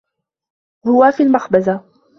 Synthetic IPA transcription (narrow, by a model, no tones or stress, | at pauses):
hʊwafiːlmaxbaza